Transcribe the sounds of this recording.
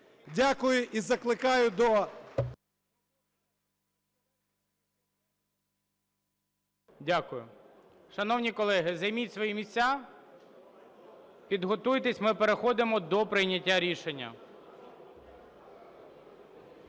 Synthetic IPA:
dʲakʊjʊʔizɐklˠɪkɑjʊd̪ɔ | dʲakʊjʊ̰ | ʃɐnɔwnʲikɔlˠɛɦɪzɐjmʲitʲsʋɔjimʲisʲt͡sʲːa | pʲid̪ɦɔt̪ujt̪esʲmɪpeɾexɔd̪ɪmɔd̪ɔpɾɪjnʲɐtʲːaɾʲiʃenʲːɐ̰

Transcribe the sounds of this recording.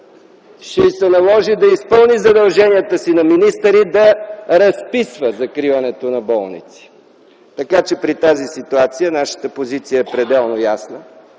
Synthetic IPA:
ʃɛisɛnɐlˠɔʒid̪ɐispɤlˠnizɐd̪ɐlˠʒɛnijət̪əsinɐminist̪əɾid̪ɐɾɐspisvəzɐkɾivɐnɛt̪onɐbɔlˠnḭt̪si̥ | t̪ɐkat͡ʃɛpɾit̪azisit̪uat̪sijənaʃə̥t̪əpozit̪sijəɛpɾɛd̪ɛlˠnojasnə

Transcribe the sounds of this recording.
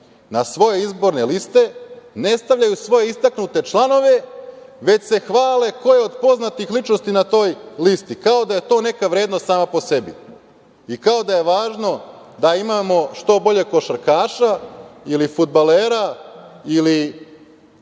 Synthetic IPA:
nasʋo̞je̞izbo̞ɾne̞list̪e̞ne̞st̪aʋʎajusʋo̞je̞ist̪aknut̪e̞t͡ʃlˠano̞ʋe̞ | ʋe̞t͡ɕse̞xʋaːle̞ko̞je̞o̞d̪po̞znat̪ixlit͡ʃnost̪inat̪o̞ːjlist̪ikao̞d̪aje̞t̪o̞ːne̞kaʋɾʲe̞ːd̪nost̪saːmapo̞se̞bḭ | ikao̞d̪aje̞ʋaːʒno̞d̪aimamo̞ʃt̪o̞bo̞ʎe̞ko̞ʃaɾkaːʃailifud̪̚baleːɾaili

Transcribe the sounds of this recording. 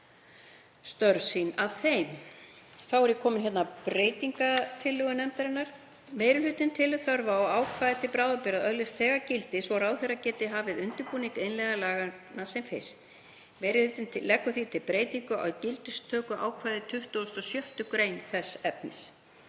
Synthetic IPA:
st̪œɾsinaðθejm | θawɛɾjɛkʰɔːmɪnçɛt̪napɾeːjt̪iŋkat̪ʰɪlːʏɣʏnɛmt̪aɾɪnaɾ̥ | meːjɾɪlʏt̪ɪnt̪ʰɪlθœɾvaɔɣaːwkʰvaːjðɪt̪ʰɪlpɾaːwðapɪɾaðœðlɪst̪θɛːɣacɪlt̪ɪsvɔɾaːwθejracɛt̪ɪɦaːvɪðʏnt̪ʏɾpuːniŋkejnlɛɣalaːɣanːasɛmfɪst̪ | mejɾɪlʏt̪ɪnt̪ʰɪlːɛkːʏθit̪ʰɪlpɾeːjt̪iŋkʏa̰wcɪlt̪ɪst̪ʰœːkʏʔa̰ːwkʰvaːjðɪt̪ʰʏht̪uɔst̪ɔsjœht̪ʏkɾeːjnθɛsːɛp̚nɪ̰s

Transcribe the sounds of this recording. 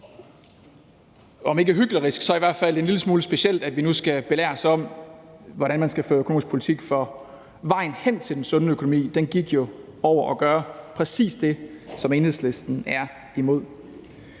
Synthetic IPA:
ɒ̽me̝ɡæɦyɡ̥lɐʁisɡ̥sɒ̽æɐiʋæɐ̰d̥fæl̰deenliləsmuːləsb̥e̝ɕel̰d̥æd̥ʋinusɡ̥æb̥e̝læ̰ːɐsɒ̽m̰ʋɒɾænmænsɡ̥æføːøkʰono̝ːmisɡ̥pʰo̝lit͡sʰiɡ̥fɒ̽ | ʋɑ̈ɪ̰n̩hen̰t͡sʰeld̥ensɔ̽nəøkʰo̝nomḭːd̥enɡ̥iɡ̥jo̝ | ɒʊ̰ɐʔɒɡ̥ɶːɐpʰʁɛsḭːsd̥e̝sɒ̽me̝ːnheðˠsle̝sd̥n̩æɐ | imo̝ð̞̰ˠ

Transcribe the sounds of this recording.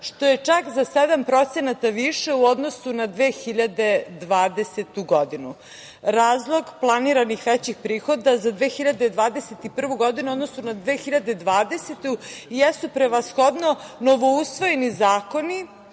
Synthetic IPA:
ʃt̪o̞je̞t͡ʂakzased̪ampɾo̞t̪senat̪aʋiʃeuo̞d̪no̞sunad̪ʋeːxiʎad̪e̞d̪ʋaːd̪eset̪uɡo̞d̪inu | ɾaːzlˠo̞ɡplˠaniɾanixʋɛt͡ɕixpɾiːxo̞d̪azad̪ʋeːxiʎad̪e̞d̪ʋaːd̪eset̪ipr̩ʋuɡo̞d̪inuod̪no̞sunad̪ʋeːxiʎad̪e̞d̪ʋaːd̪eset̪ujesupɾeʋasxo̞d̪no̞noʋo̞usʋo̞jenizaːko̞ni

